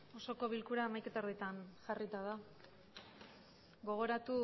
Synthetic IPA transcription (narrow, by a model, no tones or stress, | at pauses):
o̞so̞ko̞βilkuɾaemajke̞t̪aɾðit̪anʝarit̪aða | ɡo̞ɣ̞o̞ɾat̪u